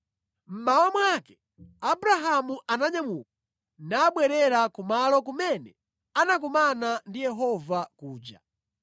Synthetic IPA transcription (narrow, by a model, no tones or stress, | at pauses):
m̩mawamwakɛ̥ | abuɾaɦamuʔanaɲamuk̚ḁ | naːɓwɛɾɛɾakumalɔkumɛnɛ | anak̬umanandijɛɦɔvakuːd͡ʒa̰